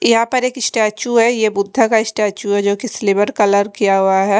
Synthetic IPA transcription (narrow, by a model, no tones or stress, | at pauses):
jɐɦãːpəɾeːkɪsʈaːt͡ʃuɦɛjebʊd̪ʱːakaɪsʈaːt͡ʃuɦɛd͡ʒoːkisɪlɪbəɾkɐləɾkijaɦuaɦɛ